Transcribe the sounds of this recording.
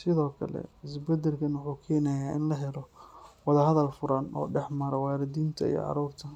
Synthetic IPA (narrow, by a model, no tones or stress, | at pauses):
sɪðɔːkʰɐ̰lɛ̰ɪsbɛd̪ɛlkʰɐnwʊħuːkʰɛːnɐjaːʔɪnlɐɦɛlɔwɐðɐhɐðɐlfʊɾɐnɔ̰ːɖɛħmɐɾɐwaːɾɪd̪iːnt̪ʰɐ̰ḭjɔ̰ʕɑ̰ɾuːrt̪ʰɐ